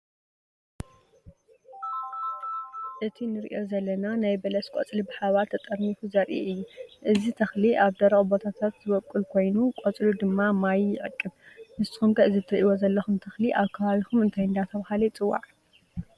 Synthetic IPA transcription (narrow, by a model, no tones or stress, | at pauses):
ʔɨt̪ʰinɨɾḭʔo̞zɐlːɐnanajbɐlɐskʷʼot͡sʼlibɨħaβalt̪ʰɐt̪ʼɐɾnifuzɐɾʔiʔɨjːuʔɨzit̪ʰɐxliʔaβd̪ɐɾɐɣʼbo̞t̪ʰat̪ʰat̪zɨβɐkʼːulkʰo̞jnukʼot͡sʼlud̪ɨmːamajːɪʕɨ̰kʼːɨβmɨst̪i̥xumkʰɐʔɨzit̪ʰɨɾiʔiwo̞zɐlːɐxumt̪ʰɐxliʔaβkʰɐβaβixumɨnt̪ʰajɨnd̪at̪ʰɐβhalɐt͡sʼɨwːa̰ʕ